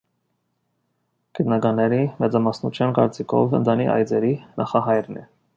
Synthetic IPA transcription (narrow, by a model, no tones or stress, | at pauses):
ɡ̥ət̪nɑɡɑnːɛɾimɛt͡sɑmɑsnut͡ʃʰjɑnkɑɾt͡sikʰɔ̰və̰nd̪ʰɑnḭʔɑ̰jd͡zɛɾinɑχɑɦɑjɾnɛ